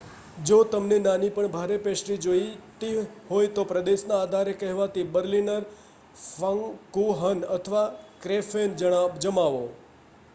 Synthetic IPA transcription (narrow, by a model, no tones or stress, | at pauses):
d͡ʒot̪əmnenanipəɳbʱaɾepeʃʈid͡ʒoit̪iɦojt̪opɾəd̪eʃnaːd̪ʱaɾekəɦʋat̪ibəɾlinəɾ | fəŋkuɦənət̪ʰəʋakɾefend͡ʒəɽ̃abd͡ʒəmaʋo